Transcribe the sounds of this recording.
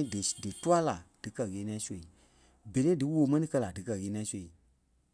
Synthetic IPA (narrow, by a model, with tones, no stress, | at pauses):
dɨ˨tu˦a˦la˨d̥ɨ˨kɜ˧˨ɣeː˨˦nĩã˦su˦˧˨ | be˨ɾe˦dɨ˦woː˨mɛ̃˦nĩ˦kɜ˦˧la˨dɨ˨kɜ˧˨ɣeː˨˦nĩ˧ɛ̃˦so˨i˨